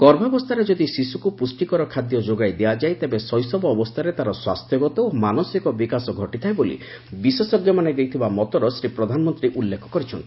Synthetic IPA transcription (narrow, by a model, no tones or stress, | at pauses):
kɔɾbʱabɔst̪ʰaɾed͡ʒɔd̪isisukupusʈikɔɾɔkʰad̪jɔd͡ʒoɡajd̪ead͡ʒajt̪ebesɔjsɔbɔːbɔst̪ʰaɾet̪aɾɔswa̰st̪ʰjɔɡɔt̪ɔomanɔsikɔbikasɔɡʱɔʈit̪ʰajbolḭ | bisesɔɡjɔmaned̪ejt̪ʰibamɔt̪ɔɾɔsɾipɾɔd̪ʱanɔmɔnt̪ɾiʔulːekʰɔ̥kɔɾit͡ʃʰɔnt̪i̥